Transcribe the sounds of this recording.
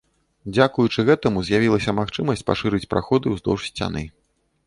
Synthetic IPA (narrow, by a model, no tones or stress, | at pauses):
d͡zʲakujut͡ʂɨɣɛt̪ɐmuzʲjavʲilˠɐsʲɐmaxt͡ʂɨmɐsʲt͡sʲpa̰ʂɨɾɨt͡sʲpɾa̰xɔd̪ɨwzd̪ɔ̰wʂsʲt͡sʲa̰nɨ